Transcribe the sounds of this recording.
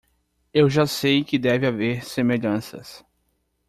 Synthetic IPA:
ewʒasejkɪd̪ɛvɪaveɾsemeʎɐ̃sɐ̰s

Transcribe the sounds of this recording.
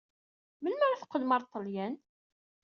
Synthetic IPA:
mənmæɾaθqːəlmɑɾˤt̪ˤːəljæn

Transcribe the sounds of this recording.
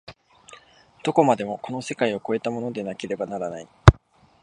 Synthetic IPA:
d̪̥o̞ko̞mad̪e̞mo̞ko̞no̞se̞kaio̞ko̞e̞t̪amo̞no̞d̪e̞nake̞ɾe̞banaɾanai

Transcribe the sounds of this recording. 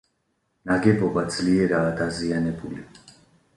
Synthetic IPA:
naɡɛbɔbad̪zliɛɾaːd̪azianɛbuli

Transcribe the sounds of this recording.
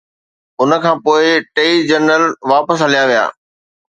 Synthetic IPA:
ʊnə̆kʰãːpoːɪʈeid͡ʑəɾnəlʋaːpəs̬ɦɐlijaʋija̰ː

